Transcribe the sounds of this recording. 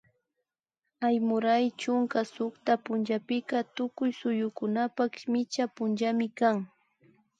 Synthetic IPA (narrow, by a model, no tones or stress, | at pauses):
ajmʊɾajt͡ʃʊŋkasʊkt̪apʊnʒapɪkat̪ʊkʊjsʊjʊkʊnapakʃmɪt͡ʃapʊnʒamɪkaŋ